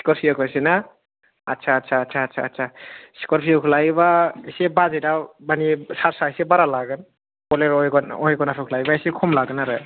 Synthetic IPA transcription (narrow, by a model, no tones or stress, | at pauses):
si̥kɔɾpʰiɔkʰɔjsena | att͡ʃʰaːtsʰaːsʰaːtsʰaːtsʰasi̥kɔɾpʰiukʰlajbasebazejdamanisaɾsaisebaɾalaɡɯn | kɔleɾɔjɡɔnɔjɡɔnapʰikʰlajbaesekʰɔmlaɡɯnaɾɯ